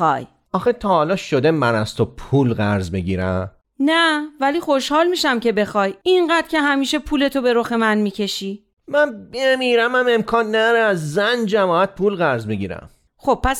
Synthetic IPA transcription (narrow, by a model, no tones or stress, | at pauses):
ɒ̰j | ɒːxet̪ʰɒːhɒːlɒːʃod̪emænæz̥t̪opʰuːlɣæɾzbiɟiːɾæ̰m | nævæliːxo̞ʃhɒːlmiːʃæmce̞be̞xɒːjiɴɢæd̪̥cʰe̞ɦæmiːʃepʰuːle̞t̪ʰobe̞ɾoxemænmiːcʰe̞ʃiː | mænbemiːɾæmæme̞mkʰɒːnːæd̪ɒɾeæzːænd͡ʒæmɒːæt̪̚pʰuːlɣæɾzmiɟiːɾæ̰m | xob̥̚pʰːæs